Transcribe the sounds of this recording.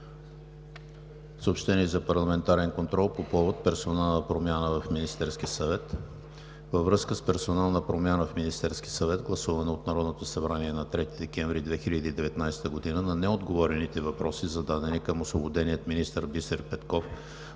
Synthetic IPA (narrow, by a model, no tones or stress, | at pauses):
səopʃt̪ɛniɛzɐpɐɾlˠɐmɛnt̪aɾɛnkont̪ɾɔlˠpopɔvot̪̚pɛɾsonalˠnəpɾomʲjanəvɐfminist̪ɛɾskʲiəsɐvɛt̪ | vəvɾɤskəspɛɾsonalˠnəpɾomjanəfminist̪ɛɾsk̟ʲiəsɐvɛt̪ɡlˠɐsuvɐnɛot̪nɐɾɔd̪not̪osɐbɾaniɛnɐt̪ɾɛt̪id̪ɛkɛ̃ɱvɾid̪vɛxiʎʲəd̪iːd̪ɛvɛt̪najst̪əɡod̪inənɐnɛod̪ɡovɔɾɛnit̪ɛvɐpɾɔsizɐd̪ad̪ɛnikəmoslˠobod̪ɛnijət̪minist̪əɾbist̪əɾpɛt̪kɔf